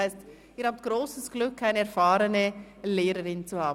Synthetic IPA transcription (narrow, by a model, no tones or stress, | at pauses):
aɪst | iːɾhaːb̚ət̚ɡ̥ʁoːsəsɡ̥lʏkʰːaɪnəɛɐɾfaːɾənəleːɾəɾɪnt͡suhaːb̩